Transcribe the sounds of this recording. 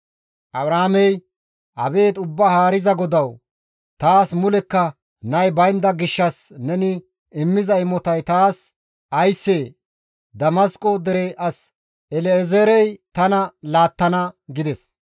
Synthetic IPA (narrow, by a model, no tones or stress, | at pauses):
ʔɐbɾaːmɛj | ʔɐ̰be̞ːt̪ʊbːahaːɾɪzɐɡɔd̪ɐw | t̪aːsmʊlɛkːɐ | nɐjbɐjnd̪ɐɡɪʃːɐsnɛnɪ | ɪmːɪzɐɪmɔt̪ɐjt̪aːs | ʔɐjsːeː | d̪ɐmɐskʼod̪ɛɾeʔɐs | ɛlɛːzeɾɛjt̪ɐnɐlaːt̪ːɐnɐɡɪd̪ɛs